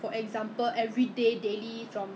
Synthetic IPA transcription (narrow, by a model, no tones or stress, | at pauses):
fɔʔɛɡzãmpəlʔɛvɹidedelifɹɔ̃m